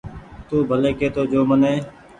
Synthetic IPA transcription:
t̪uːbʱəleːkeːt̪oːd͡ʒoːməneː

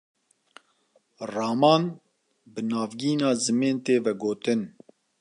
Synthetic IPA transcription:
rɑːmɑːn | bɨnɑːvɡiːnɑːzɨmeːnt̪eːvɛɡoːt̪ɨn

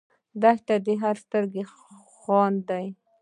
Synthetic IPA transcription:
d̪aʃʈ̪ad̪əɦaɾst̪əɾɡe | xwɑnd̪aj

